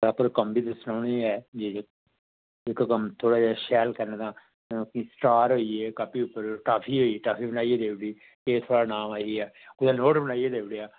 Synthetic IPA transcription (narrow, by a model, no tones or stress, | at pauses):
aːpəɾkəmbiːd̪əsnaːniːɛːd͡ʒeː | ɪkkəmt̪ʰoːɽaːd͡ʒaːʃɛːlkəɾneːt̪ãː | kisʈaːɾɦoːieːkaːpʰiːʊpːəɾʈaːpʰiːɦoːiːeːʈaːpʰiːbənaːieːd̪eːʋɪɽiː | keːt̪ʰoːɽaːnaːmaːiːɛːʊd̪ãːnoːʈbənaːieːd̪eːʋɪɽejaː